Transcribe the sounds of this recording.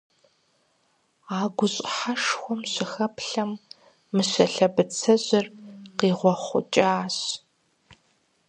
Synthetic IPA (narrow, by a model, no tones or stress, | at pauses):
aːɡʷʊɕʼħaʂxʷɔmɕɪxɐpɬɐmː | ɨɕɐɬɐbɨt͡sʰɐʑɪrqiːʁʷɔχʷʊ̰t͡ʃʼaːɕ